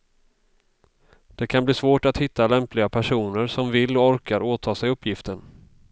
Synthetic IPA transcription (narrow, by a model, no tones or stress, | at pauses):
d̪̥ɛkʰanbliːsvoːʈat̪hɪt̪ːalɛmplɪɡapʰæʂuːnəɾsɔmvɪlːɔɔɾkaɾoːt̪ʰɑːsɛjɵpʰːjɪft̪ən